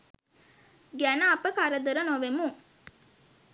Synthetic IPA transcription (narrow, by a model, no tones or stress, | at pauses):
ɡænəapəkaɾəd̪əɾənoʋemu